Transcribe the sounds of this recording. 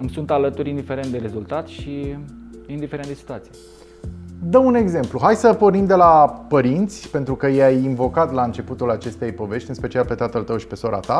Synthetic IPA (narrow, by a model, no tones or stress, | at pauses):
ɨmsunt̪alət̪uɾʲind̪ife̞ɾent̪d̪eɾezult̪at̪ʃi | ind̪ifeɾend̪esit̪uat̪sije | d̪əune̞ɡze̞mpluɦajsəpo̞rnimd̪e̞lapəɾint̪sʲpe̞nt̪ɾukəjeajinvo̞kat̪laɨnt͡ʃe̞put̪ulat͡ʃe̞st̪e̞jpo̞ve̞ʃtʲɨnspe̞t͡ʃialpe̞t̪at̪əlt̪əwʃi̥pe̞soɾa̰t̪a